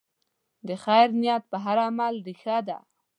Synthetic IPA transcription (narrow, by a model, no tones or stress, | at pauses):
d̪əxajɾnijat̪̚pəɦaɾamald̪ixad̪a̰